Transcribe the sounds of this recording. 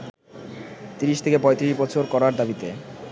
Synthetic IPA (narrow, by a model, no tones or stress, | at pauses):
t̪iɾiʃt̪ʰekepɔet̪iɾiʃbɔt͡ɕʰoɾkɔɾaɾd̪abit̪e